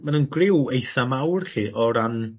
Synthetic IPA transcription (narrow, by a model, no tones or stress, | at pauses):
manənɡrɪwejθamawrɬiːʔɔɾan